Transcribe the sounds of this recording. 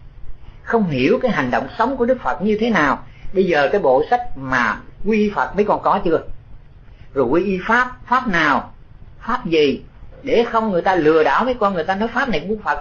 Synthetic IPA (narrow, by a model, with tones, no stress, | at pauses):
xə˧wŋ͡mɦi˧˩əwkaː˨˦jɦa˨˩ŋ̟ɗo̰˧˨wŋ͡msə˨˦wŋ͡mku˧˩əɗɨ˦˥k̚fə˨˩t̚ɲɨ˧t̪ʰe˨˦naː˨˩wɓə˧jzəː˨˩kaː˨˦jɓo̰˧˨sa˦˥k̟̚maː˨˩kwii˧ʔi˧fə˨˩t̚mə˨˦jkɔ˨˩nkɔ˨˦t͡ɕɨ˧ə | zo˨˩kwi˧ʔi˧faː˦˥p̚faː˦˥p̚naː˨˩w | faː˦˥p̚zi˨˩ɗe˧˩xə˧wŋ͡mŋɨ˨˩əjt̪aː˧lɨ˨˩əɗa̰ː˧˩wmə˨˦jkɔ˧nŋɨ˨˩əjt̪aː˧nɔ˨˦jfaː˦˥p̚na˨˩jkŋkwi˧fə˨˩t̚